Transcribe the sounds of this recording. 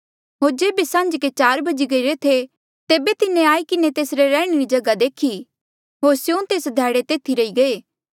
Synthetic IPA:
ɦoːɾd͡ʒeːbesɐ̃ɲd͡ʒket͡ʃaːɾbɐd͡ʒiɡɐiɾet̪ʰe | t̪eːbet̪ɪnẽaːikɪnet̪eːsɾeɾɛ̃ːɽ̃eɾid͡ʒɐɡad̪eːkʰi | ɦoːɾsjõt̪eːsd̪ʱɛːɽet̪eːt̪ʰiɾɐiɡɐeː

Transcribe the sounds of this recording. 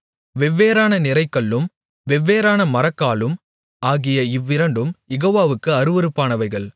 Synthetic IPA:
ʋɛʋːeːɾaːnɐnɪɾɐɪkːɐɭːɯm | ʋɛʋːeːɾaːnɐmɐɾɐkːaːɭɯm | aːɣɪjɐɪʋːɪɾɐɳɖɯmjɛɣoːʋaːʋɯkːɯɐɾɯʋɐɾɯpːaːnɐʋɐɪɣɐɭ

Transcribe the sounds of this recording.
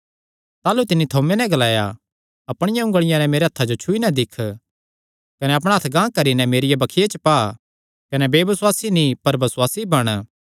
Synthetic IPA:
t̪aːlut̪ɪnːit̪ʰoːmenɛ̃ɡɐlaːja | ɐpɽ̃ɪjãʊ̃ŋɡəɭ̃ɪjãnɛmeːɾeɐt̪ʰːad͡ʒot͡ʃʰʊinad̪ɪkʰː | kɐnɛɐp̬ɽ̃ɦɐt̪ʰɡãːkɐɾinɛmeːɾɪjabɐkʰɪjet͡ʃəpaː | kɐnɛbeːbɪswaːsinĩpɐɾbɐswaːsibɐɽ̃

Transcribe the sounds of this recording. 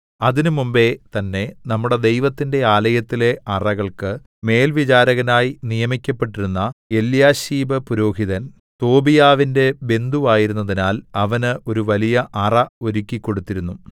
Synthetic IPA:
ɐðinumumbe̞t̪ɐnːe̞nɐmːuɽe̞d̪e̞jʋɐt̪ːinde̞aːlɐjɐt̪ːile̞ʔɐrɐɣɐɭkɨ | me̞ːlʋit͡ɕaːɾɐɣɐnaːjinijɐmikʲːɐpːe̞ʈːiɾunːɐe̞ljaːɕiːbɐpuɾo̞ːɦiðɐn | t̪o̞ːbijaːʋinde̞be̞nd̪uʋaːjiɾunːɐðinaːlɐʋɐnɨo̞ɾuʋɐlijɐʔɐrɐo̞ɾikʲːikːo̞ɽut̪ːiɾunːu

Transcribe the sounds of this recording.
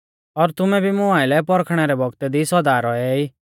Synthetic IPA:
ɔɾt̪ʊmɛbʱimʊãːɪlɛpɔɾkʰɽ̃ɛɾɛbʱɔɡt̪ɛd̪isɔd̪aːɾɔɛiː

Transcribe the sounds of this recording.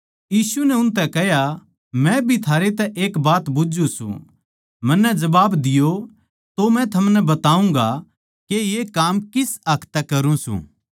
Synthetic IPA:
jiːsunɛʊnt̪̬ɛkɛɦja | mɛ̃bʱit̪ʰaːɾet̪ɛʔeːkbaːt̪bʊd͡ʒũsṵ̃ | mɐnːɛd͡ʒɐbaːbd̪ɪjo | t̪omɛ̃t̪ʰɐmnɛbɐt̪aːũŋ̆ɡa | kejekaːmkɪsɐkʰt̪ɛkɐɾũsṵ̃ː

